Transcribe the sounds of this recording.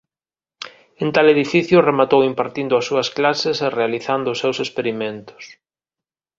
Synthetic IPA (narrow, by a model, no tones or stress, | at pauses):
ẽnt̪aleðifiθjʊremat̪owimpaɾt̪ind̪ʊɐsːuɐsklaseserealiθand̪ʊːsːewsespeɾimẽnt̪ʊ̥s